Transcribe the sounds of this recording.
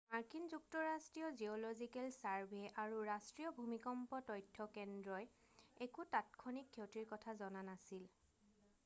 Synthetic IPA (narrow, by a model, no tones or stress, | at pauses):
maɹkinzuk̚tɔɹastɹijɔziɔlɔzikɛlsaɹbʱeʔaɹuɹastɹiɔbʱumikɔmpɔtɔjtʰːɔkɛndɹɔj | ekutat̚kʰɔnikʰːetiɹkɔtʰazɔnanasil